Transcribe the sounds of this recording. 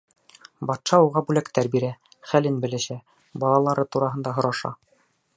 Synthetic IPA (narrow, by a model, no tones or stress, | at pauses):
bɑt̪ʃɑuʁɑbʉlækt̪æɾbiɾæ | χælɘnbɘ̆lɘ̆ʃæ | bɑlˠɑlˠɑɾɤt̪uɾɑɦɤ̆nd̪ɑɦŏɾɑʃɑ̰